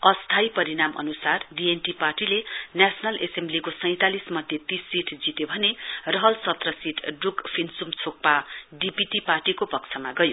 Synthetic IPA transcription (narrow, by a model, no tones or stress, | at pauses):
ʌst̪ʰajpʌɾiɽamʔʌ̰nusarɖienʈiparʈilenjasʰʌnʌlʔesemblikosʌj̃t̪alismʌd̪ʱjet̪isːiʈʰd͡zit̪jobʱʌnerʌɦʌlsʌt̪rʌsiʈʰɖukpʰinsumt͡sʰok̚paɖipiʈiparʈikopʌk̚t͡sʰʌmaɡʌjo